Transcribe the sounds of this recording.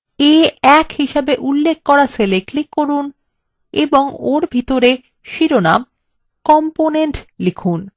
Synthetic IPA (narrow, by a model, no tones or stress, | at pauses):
eɛkhiʃebeʔulːekʰkɔɾaseleklikːoɾun | ḛboŋoɾbʱit̪oɾe | ʃiɾonam | kɔmponeɳʈlikʰun